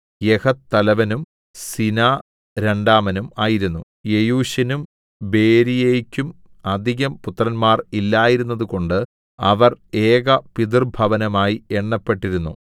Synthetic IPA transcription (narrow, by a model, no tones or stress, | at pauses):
jekɐt̪ːɐlɐʋɐnum | sinaː | ɾe̞ɳɖaːmɐnumaːjiɾunːu | jejuːɕɐnum | be̞ːɾijeːjkʲːum | ɐd̪ʱiɣɐmput̪rɐnmaːrilːaːjiɾunːɐðuko̞ɳɖɨ | ɐ̰ʋɐre̞ːɣɐpid̪irbʱɐʋɐnɐmaːjieɳːɐpːe̞ʈːiɾunːṵ